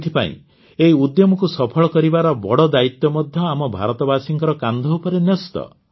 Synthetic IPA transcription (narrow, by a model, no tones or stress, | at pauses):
t̪ʰipa̰ḭ̃ | eiud̪jɔmɔkusɔpʰɔɭɔkɔɾibaɾɔbɔɽɔd̪ait̪jɔmɔd̪ʱjɔamɔbʱa̰ɾɔt̪ɔbasiŋkɔɾɔkand̪ʱɔupɔɾenɔst̪ɔ̰